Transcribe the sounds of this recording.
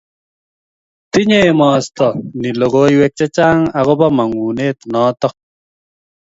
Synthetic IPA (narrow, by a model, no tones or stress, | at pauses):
t̪iɲeːmaːst̪ɐniloɣoːjwek̚t͡ɕɐt͡ɕaːŋɐɣobɐmɐŋuːneːt̪naːt̪o